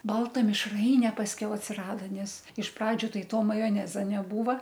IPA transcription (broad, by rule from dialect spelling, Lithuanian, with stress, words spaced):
ˈbɐlˠtɐ mʲɪʃˈrɐɪnʲɛ pɐsʲˈkʲɛʊ ɐtʲsʲɪˈrɑːdɐ ˈnʲɛs ɪʃ ˈprɑːd͡ʒʲʊ ˈtɐɪ ˈtoː mɐjoːˈnʲæːzɐ nʲɛˈbuːʋɐ